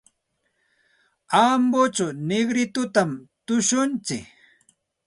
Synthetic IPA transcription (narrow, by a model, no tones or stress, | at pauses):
ambot͡ʃanɪɡɾɪt̪ʊt̪amt̪ʊʃʊnt͡sɪk